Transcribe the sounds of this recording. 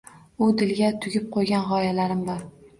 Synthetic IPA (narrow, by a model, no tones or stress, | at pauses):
ʊd̪ɪlɡʲat̪ʰʊɡʲɪp̚qʰojɡʲanʁɒjalaɾɪmbɒɾ